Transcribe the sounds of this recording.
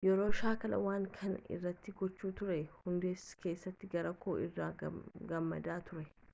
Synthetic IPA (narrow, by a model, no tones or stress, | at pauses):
jɛɾo̞ːʃaːkɐlɐ̰waːŋkʰɐnɪ̰rːɐt̪ːɪɡɔt͡ʃːuːt̪ʊɾɛhʊnd̪eːske̞ːsːɐt̪ːɪɡɐɾɐkʰo̰ːɪrːaːɡɐmːɐ̰d̪aːt̪ʊɾɛ